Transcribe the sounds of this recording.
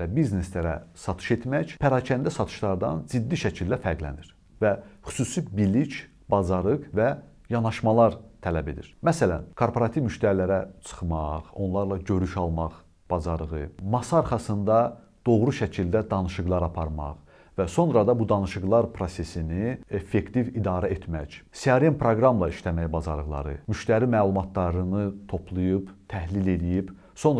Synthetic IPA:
æbizneslæɾæsɑt̪ʰɯ̥ʃe̞t̪mæcpʰæɾɑcʰænd̪æsɑt̪ʰɯ̥ʃlˠɑɾd̪ɑ̰nzid̪ːiʃæcʰild̪æfæɾɡlæ̰niɾ | væχy̥susibilic | bɑzɑɾɯqvæ | jɑnɑʃmɑlˠɑɾt̪ʰælæbe̞̰d̪ḭɾmæsælæ̰nkʰo̞ɾpʰoɾɑt̪ʰivmyʃt̪æɾilæɾæt͡sʰɯ̥χmɑχo̞̰nlˠɑɾlˠɑɟø̞ɾyʃɑlˠmɑχ | b̥ɑzɑɾɯʁɯmɑsɑːɾχɑsɯnd̪ɑ | d̪̥o̞ʁɾuʃæcʰild̪æd̪ɑnɯʃɯɡlˠɑɾɑpʰɑɾmɑ̰χ | væso̞nɾɑd̪ɑbud̪ɑnɯʃɯɡlˠɑɾpʰɾo̞se̞sinie̞fːe̞kt̪ivid̪ɑːɾæet̪ʰmæɟsiɑɾenpʰɾoɡɾɑmlˠɑiʃt̪æmæjbɑzɑ̰ɾɯɣlˠɑ̰ɾɯ̰myʃt̪æɾimæːlˠumɑt̪ʰlɑɾɯnɯt̪ʰo̞pʰlˠujɯpt̪ʰæhlile̞lijib | so̞n

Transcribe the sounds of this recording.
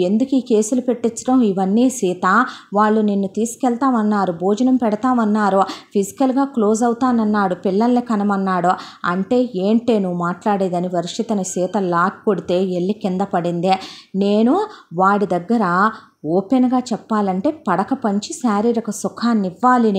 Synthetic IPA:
e̞nd̪ukiːke̞ːsulupe̞ʈːit͡ʃːɐ̥ʈɐmiʋɐnːiːsiːt̪aːʋaːɭːunenːut̪iːsu̥kɛɭt̪aːmɐnːaːɾubʱoːd͡ʒɐnɐmpɛɽɐt̪aːmɐnːaːɾupʰisi̥kɐlɡaːklo̞ːzɐwut̪aːnɐnːaːɽupiɭːɐlːekɐnɐmɐnːaːɽuɐ̰ɳʈe̞ːeːɳʈe̞ːnuʋumaːʈlaːɽeːd̪ɐniʋɐɾiʂɐt̪ɐnisiːt̪ɐlaːkkoɽit̪e̞ːeɭːikind̪ɐpɐɽind̪eneːnuʋaːɽid̪ɐɡːɐɾɐ | ɔːpenɡaːt͡ʃɛpːaːlɐɳʈe̞ːpɐɽɐkɐpɐɲt͡ʃisaːɾiːɾɐkɐsukʰaːnːiʋːaːlini

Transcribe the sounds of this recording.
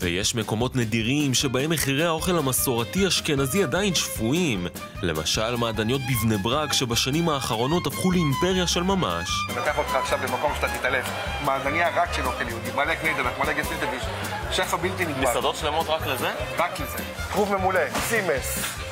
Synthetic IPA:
vḛjeʃme̞ko̞mo̞tnediʁimʃe̞bae̞meχiʁe̞jao̞χe̞lamaso̞ʁatiaʃke̞naziadainʃfuim | le̞ma̰ʃalmaːd̪anijo̞t̪̚bivnebʁakʃe̞baʃanimaːχaʁo̞no̞tafχuleimpe̞ʁjaʃe̞lmama̰ʃnakeaχot̪χaːχʃavbemako̞mʃet̪at̪it̪alef | maːzaniaʁakʃeloχeljiud̪imaleknejd̪elaχmaleɡesid̪evjuʃon | ʃefabilt̪inmesad̪o̞tʃle̞mo̞tʁakleze̞ʁakleze | t̪ʁuvmemulesimes

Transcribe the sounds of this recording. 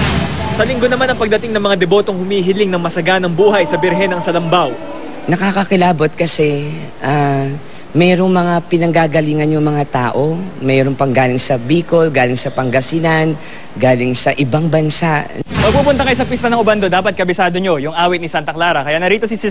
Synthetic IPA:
sɐlɪŋɡo̞nɐmanɐŋpɐɡ̚d̪ɐt̪ɪŋnɐŋmɐŋad̪ɛbo̞t̪oŋhʊmiːɦɪlɪŋnɐŋmɐsɐɡanɐŋbuːɦɐjsɐbɪɾɦɛnɐŋsɐlɐmbaw | nɐkakɐkɪlaːbo̞t̪̚kɐsɛ | ʔa | mɛːɾo̞ŋmɐŋapɪnɐŋɡaːɡɐliːŋɐnjʊŋmɐŋat̪aːʔo̞mɛːɾo̞ŋpɐŋɡaːlɪŋsɐbiːko̞lɡaːlɪŋsɐpɐŋɡɐsɪnɐn | ɡaːlɪŋsɐʔɪbaŋbɐnsaʔmɐɡ̚pupʊnt̪ɐkɐjsɐk̬wist̪ɐnɐŋʔʊband̪od̪aːpɐt̪̚kɐbɪsaːd̪o̞ɲo̞jʊŋʔaːwɪt̪̚nisant̪ɐklaːɾɐkɐjanɐɾiːt̪o̞sis

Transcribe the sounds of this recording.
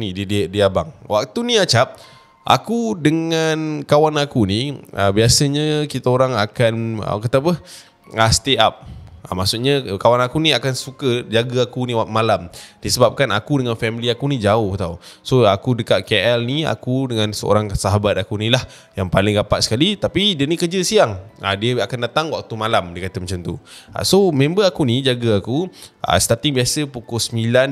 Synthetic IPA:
niiddiabaŋwak̚t̪uniat͡ʃap̚ | ʔa̰kudəŋankawanakuniə̰biasəɲəkit̪aoɾaŋakanə̰kat̪apə | əst̪eap̚ə̰masuʔɲəkawanakuniakansukəd͡ʒaɡəakuniwakmalamdisəbap̚kana̰kudəŋanfɛmiliakunid͡ʒaʊht̪awsoakudəkaʔ̪̚keʔɛlnia̰kudəŋansəo̰ɾaŋsaɦabat̪̚akunilah | jaŋpalɪŋɡapaʔ̪sə̥kalit̪apidənikəd͡ʒəsiaŋa̰diəakandat̪aŋwak̚t̪umalamdəkat̪əmat͡ʃamt̪ua̰somẽmbəakunid͡ʒaɡəakuʔa̰st̪at̪ɪŋbiasəpukʊsəmilan

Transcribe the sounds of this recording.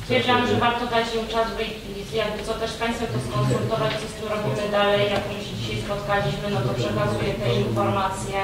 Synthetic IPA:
st̪fʲɛɾd͡ʑiamʐɛvaɾt̪ɔd̪at͡ɕjɛwt͡ʂazvɛjkʲilʲizjaɡbɘt̪sɔt̪ɛʂpaj̃st̪fɔt̪ɔskɔnst̪ɾukt̪ɔvat͡ɕfsɔst̪ʲɛɾɔbʲimɘd̪alɛjːakɔmuɕɛd͡ʑiɕajspɔt̪kad͡ʑid͡ʑmɘnɔt̪ɔpʂɛkazujɛt̪ɛinfɔɾmat̪sʲjɛ

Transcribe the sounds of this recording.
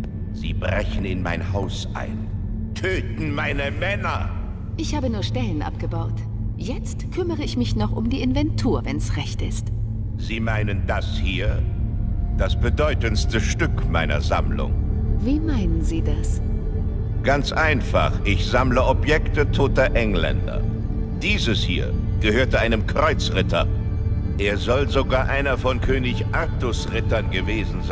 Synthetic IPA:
zḭːbʁɛçn̩ɪnma̰ɪnhaʊsʔa̰ɪn | tʰøːtn̩maɪnəmɛnɐ | ʔɪçhaːbənuːɐʃtɛlənʔa̰pɡ̥əbaʊt | jɛt͡stkʰʏməʁəɪçmɪçnɔχʔʊ̰mdiːʔɪnvɛntʰuːɐvɛnsʁɛçtɪst | ziːmaɪnəndashiːɐ | d̥asb̥ədɔʏtənstəʃtʏkmaɪnɐ̰za̰mlʊ̰ŋviːmaɪnənziːdas | ɡ̥ant͡sʔaɪnfa̰χʔɪçz̥amləɔpjɛktətʰoːtɐʔɛŋlɛ̰ndɐ̰ | d̥iːzəshḭːɐɡ̥əhøːɐtəʔaɪnəmkʁ̥ɔʏt͡sʁɪtʰɐ̰ | ʔeːɐzɔlzoɡaːɐʔaɪnɐfɔnkʰøːnɪçʔaʁtʊsʁɪtɐnɡəveːzn̩z

